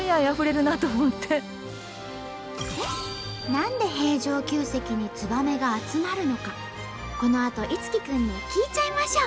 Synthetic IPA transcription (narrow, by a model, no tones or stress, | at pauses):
jajaɸɯ̟ɾe̞ɾɯ̟nat̪o̞mot̪ːe̞ | e | nãnd̪e̞ɦe̞ːʑo̞ːkʲɨːse̞kʲiɲ̟it͡sɨbame̞ɡaːt͡sɨmaɾɯ̟no̞ka | ko̞no̞at̪o̞ʔit͡sɨ̥kʲikɯ̟̃ɲ̟ːikʲiːt͡ɕaimaɕo